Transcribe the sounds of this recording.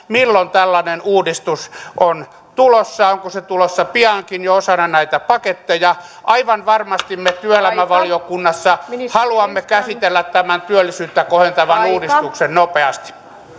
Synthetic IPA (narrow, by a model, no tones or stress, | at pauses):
milːont̪ælːɑnenuːdist̪usʔon | t̪ulosːɑoŋkoset̪ulosːɑpiɑŋkinjoosɑnɑnæit̪æpɑket̪ːejɑʔɑiʋɑnʋɑrmɑst̪immet̪yølæmæʋɑliokunːɑsːɑhɑluɑmːekæsit̪elːæt̪t̪æmænt̪yølːisyːt̪ːækohent̪ɑʋɑnuːdisst̪uksennopeɑst̪i̥